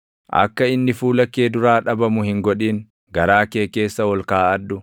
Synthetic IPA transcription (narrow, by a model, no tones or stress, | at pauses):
ʔɐ̰kːɐɪnːɪfuːlɐkːe̞ːd̪ʊɾaːᶑɐbɐmʊhɪŋɡɔᶑiːŋ | ɡɐɾaːkeːke̞ːsːɐwɔlkaːɐd̪ːʊ